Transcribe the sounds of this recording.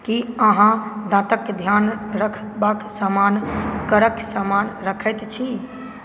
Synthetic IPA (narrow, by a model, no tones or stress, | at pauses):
kiəɦãd̪ãt̪əkːed̪ʱjanɾəkʰbaksamankəɾəksamanɾəkʰət̪t͡ʃʰi